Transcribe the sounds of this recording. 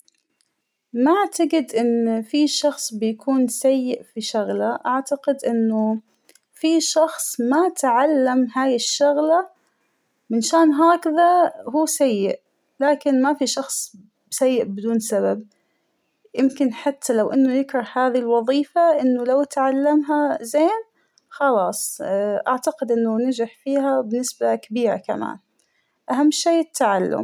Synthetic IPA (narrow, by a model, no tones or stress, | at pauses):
maʔaʕt̪aɡɪd̪ʔɪnːfiʃɑxsˤbɪjakʰuːnsajːɪʔfiʃʊɣlaʔaʕt̪aqɪd̪ʔɪnːʊ | fiʃɑxsˤmat̪ʕalːamhaːjɪʃːʊɣla | mɪnʃaːnɦaːkaðahuːsajːɪʔ | laːkɪnmafiʃɑxsˤ | sajːɪʔbɪd̪uːnsabab | jɪmkɪnħat̪ʰːalawʔɪnːʊjɪkɾˤɑhhaːðilwɑðˤiːfaʔɪnːʊlawt̪ʕalːamɦazeːn | xɑlɑːsˤʔaʕt̪aqɪd̪ʔɪnːʊnad͡ʒɪħfiːɦabɪnːɪsbakabiːɾa̰ka̰ma̰ːn | ʔaɦamːʃeːɪt̪ʰːaʕalːʊ̰m